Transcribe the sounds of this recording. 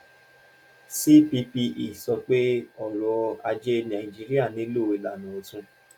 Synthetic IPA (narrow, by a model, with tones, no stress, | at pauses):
si˦pi˧pi˧ʔi˨sɔ˧k͡pe˦ɔ˦˨ɾɔ˧a˧d͡ʒe˦nã˨ĩ˨d͡ʒi˦ɾi˦a˦˨nĩ˨˦lo˦˨i˨la˨nũ˨˦o˧tũ˧